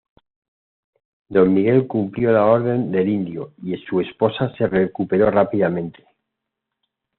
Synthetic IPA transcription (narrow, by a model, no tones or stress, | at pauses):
d̪o̞mːiɣe̞lkumpljo̞lao̞ɾðe̞nd̪e̞lind̪joiesue̞spo̞sase̞re̞kupe̞ɾo̞rapiðamẽ̞nt̪e̞̥